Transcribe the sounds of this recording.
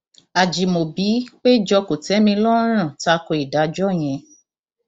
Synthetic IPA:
a˨d͡ʒi˨mo˨bi˨˦k͡pe˦d͡ʒɔ˧ko˨tɛ˨˦mĩ˧lɔ˦ɾ̃ã˦˨ta˧kɔ˧i˨da˨˦d͡ʒɔ˦˨j̃ɛ̃˨˧˦

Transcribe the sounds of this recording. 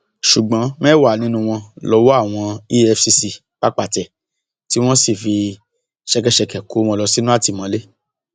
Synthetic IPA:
ʃu˨ɡ͡bɔ̃˨˦mɛ̃ː˦wa˦˨nĩ˧˦nũ˧w̃ɔ̃˧lɔ˨˧˦wo˦a˦˨w̃ɔ̃˧i˦ɛ˧fsi˧si˧ | k͡pa˦k͡pa˦˨tɛ˨ | ti˨˦w̃ɔ̃˦si˦˨fi˧ | ʃɛ˧k̬ɛ˨ʃɛ˧kɛ˨ko˨˦mɔ̃˧lɔ˧si˦nũ˦a˦˨ti˨˧˨mɔ̃˧˦le˦

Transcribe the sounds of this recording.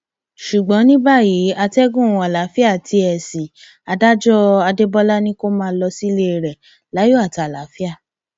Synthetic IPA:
ʃu˨ɡ͡bɔ̃˨˦nĩ˦ba˦˨ji˨˦a˧tɛ˦ɡũ˦˨a˨la˨˦fi˦a˦˨tʰi˧˦ɛ˨si˨ | a˨˧da˦d͡ʒɔ˦a˧de˦bɔ˦la˦nĩ˦ko˦mãː˦˧˦lɔ˧si˦le˦˨ɾɛ˨ | la˨˦jo˦a˦˨ta˨la˨˦fi˦a˦˨

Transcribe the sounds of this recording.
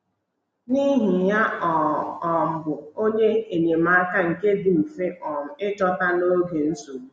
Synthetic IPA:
ni˦ɦɪ˨ja˦ɔ˨ɔ˨m̩˨bʊ˨o˦ɲe˦e˨ɲe˨m̩˨a˦ka˦ŋ̩˨ke˦dɪ˨m̩˨fe˦ʔɔ˨m̩˨ɪ˦t͡ʃɔ˦ta˦no˦ɡe˨n̩˦so˨ɾ

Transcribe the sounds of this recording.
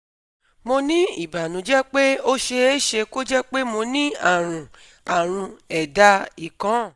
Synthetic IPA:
mo˧nĩ˦i˦˨ba˨nũ˨˦d͡ʒɛ˦k͡pe˦o˦ʃe˧e˦ʃe˧ko˦d͡ʒɛ˦k͡pe˦mo˧nĩ˦a˦˨ɾ̃ũ˨ | a˨ɾ̃ũ˧ɛ˨da˧˦i˨kã˨˦˨

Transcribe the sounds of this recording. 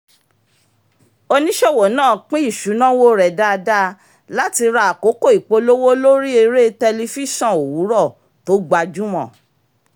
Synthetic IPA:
o˧nĩ˦ʃɛ˦˨wo˨nãː˦˨k͡pĩ˦i˦˨ʃu˨˦nã˦wo˦ɾɛ˨da˦˧da˦ | la˦ti˧ɾa˧a˨ko˨˦ko˦˨i˨k͡po˨˧lo˦wo˦lo˦ɾi˦e˧ɾe˦tɛ˧li˧fi˦ʃɔ̃˦˨o˨wu˨˦ɾɔ˦˨ | to˨˦ɡ͡ba˧d͡ʒu˦mɔ̃˦˨

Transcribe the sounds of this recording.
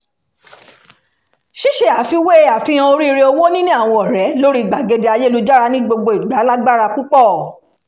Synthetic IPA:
ʃi˦ʃe˧˨a˨˦fi˧we˦a˨fĩ˦ã˧o˧ɾi˦i˧ɾe˧o˧wo˦nĩ˦nĩ˦a˦˨w̃ɔ̃˧ɔ˨ɾɛ˨˦lo˦ɾi˦i˨ɡ͡ba˨ɡe˨˧de˧a˧je˦lu˨˦d͡ʒa˦ɾa˧nĩ˦ɡ͡bo˧ɡ͡bo˧i˨ɡ͡ba˨˦la˦ɡ͡ba˦ɾa˧ku˦k͡pɔ˦˨

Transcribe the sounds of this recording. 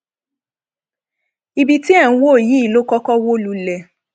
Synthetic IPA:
i˧bi˧ti˦ɛ̃˦˨˦wo˦˨ji˨˦i˦˨lo˦kɔ˦kɔ˦wo˦lu˨˧˦lɛ˨

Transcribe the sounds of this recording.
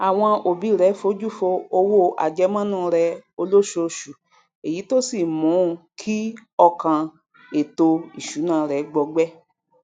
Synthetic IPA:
a˨w̃ɔ̃˧o˨bi˨˦˨ɾɛ˨˦fo˨˦d͡ʒu˦˨fo˧o˧wo˦a̰˨d͡ʒɛ˨˦mã˦nũ˦˧ɾɛ˧o˧lo˦ʃo˧ʃu˨ | e˨ji˨˦to˦si˦˨mũ˨˦˨kʰi˦ɔ˧kã˧ | e˨to˧i˨ʃu˨˦nãː˦˨˦ɾɛ˨˦ɡ͡bɔ˧ɡ͡bɛ˦

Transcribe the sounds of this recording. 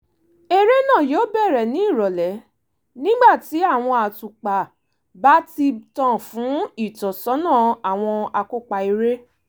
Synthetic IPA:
e˧ɾe˦nã˦˨joː˨˦bɛ˦˨ɾɛ˨nĩ˦i˦˨ɾɔ˨lɛ˨˦ | nĩ˦ɡ͡ba˦˨ti˨˦a˦˨w̃ɔ̃˧a˨tu˨k͡pa˨ | ba˨˦ti˧tã˦˨fũ˨˦i˦˨tɔ˨sɔ˨˦nã˦˨a˨w̃ɔ̃˧a˧ko˦k͡pa˧i˧ɾe˦

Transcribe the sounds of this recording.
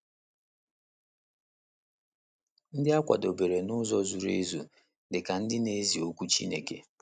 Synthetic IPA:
n̩˦dɪ˦a˦kʷa̰˨do˨be˨ɾe˨nʊ˦zɔ˦zu˨ɾḛ˦zṵ˨ | dɪ˨ka˨n̩˦dɪ˦ne˦zi˨o˦kʷu˦t͡ʃḭ˦nḛ˨kḛ˨

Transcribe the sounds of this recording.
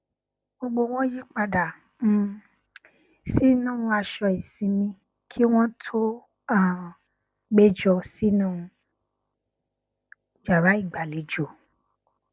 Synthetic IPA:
ɡ͡bo˧ɡ͡bo˧w̃ɔ̃˦ji˦k͡pa˧da˨˦˨ | si˦nũ˦ũ˧a˧ʃɔ˧i˨sĩ˨˧mĩ˧ | kʰi˦w̃ɔ̃˦tʰo˦ | a˦˨ | ɡ͡be˦d͡ʒɔ˧si˦nũ˦ũ˧ | d͡ʒa˨ɾa˨˦i˦˨ɡ͡ba˨le˨˦d͡ʒo˨

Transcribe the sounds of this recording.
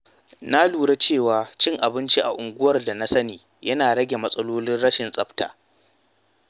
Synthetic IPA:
na˦luː˨ɽe˦t͡ʃeː˦˨waː˨t͡ʃɪ˦ŋʔa˨bɪ˦nt͡ʃi˦ʔa̰˨ʔʊ˨ŋɡʷʊ˦wɐ˨rda˨na˦sɐ˦niː˨ | jɐ˦naː˨ɽɐ˦ɡʲe˨mɐ˦sʼɐ˦loː˦lɪ˦nɽɐ˦ʃɪ˨nsʼɐ˦bta̰ː˨

